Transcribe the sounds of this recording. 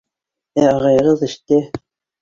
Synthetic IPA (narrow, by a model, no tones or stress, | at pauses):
æɑʁɑjɤ̆ʁɤðɘ̆ʃt̪ɘ